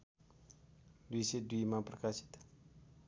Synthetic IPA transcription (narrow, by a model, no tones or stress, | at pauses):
duised̪uimapərkasi̥t̪